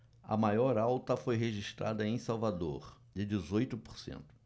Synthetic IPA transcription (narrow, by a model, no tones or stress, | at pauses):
ɐ̰majɔɾawt̪ɐfojɦeʒiʃt̪ɾa̰d̪ɐẽj̃sawvad̪o̰ɾ | d͡ʒɪd͡ʒɪzojt̪ʊpo̥ɾsḛ̃nt̪ʊ̥